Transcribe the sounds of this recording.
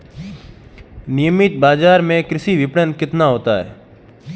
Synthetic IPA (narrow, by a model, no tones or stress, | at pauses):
nɪjəmɪt̪̚baːd͡ʒaːɾmẽkɾɪsiʋɪpɽənkɪt̪naɦoːt̪aːɦɛ̰ː